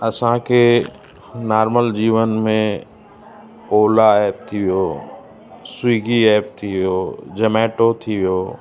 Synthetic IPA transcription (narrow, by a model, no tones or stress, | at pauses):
ɐsãkʰe | naːɾməld͡ʑiːʋənmẽ | oːlaɛːp̚t̪ʰiʋijoː | swiːɡiɛːp̚t̪ʰiʋijoːd͡ʑɐmɛːʈot̪ʰiʋijoː